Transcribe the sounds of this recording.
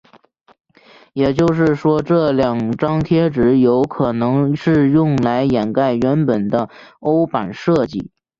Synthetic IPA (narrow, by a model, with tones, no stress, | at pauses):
jɛ˨˩t͡ɕjo˥˧ʊʂ̬ɻ̩˥˩ʂwɔ˥ʈ͡ʂɤ˥˩ljɑ˨˩ŋʈ͡ʂɑ˥ŋt̪ʰjɛ˥ʈ͡ʂɻ̩˧˥jo˧˥ʊkʰɤ˨˩nɤ˧˥ŋʂɻ̩˥˧jʊ˥˩ŋla˧˥ɪjɛ˨˩nka˥˩ɪɥɛ˧˥npə˨˩nd̪ə˦o˥ʊpa˨˩nʂɤ˥˧t͡ɕḭ˥˩